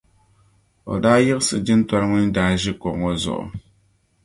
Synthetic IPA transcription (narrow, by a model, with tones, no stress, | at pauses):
o̰˨daː˦jɪ˦ɣɨ˦sɨ˨d͡ʒɪ˦n˦ta˦ɾɨ˦ŋɨ˦n̩˦daː˦ʒɪ˦kɔ˨ŋo˦zʊ̰˨ʔʊ̰˨